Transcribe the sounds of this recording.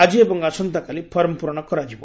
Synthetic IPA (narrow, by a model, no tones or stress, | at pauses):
ad͡ʒiebɔŋɡasɔnt̪akalipʰɔɾɔmpuɾɳ̃ɔkɔɾad͡ʒibɔ